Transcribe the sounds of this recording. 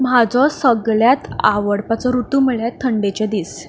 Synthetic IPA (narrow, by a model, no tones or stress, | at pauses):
mad͡zɔsəɡɭjat̪a̰ʋəɽpat͡sɔɾut̪uməɭjat̪ʰːəɳɖet͡ɕɛ̃d̪is